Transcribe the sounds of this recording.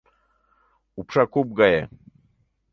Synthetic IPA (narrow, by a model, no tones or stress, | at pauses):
upʂakub̚ɡaje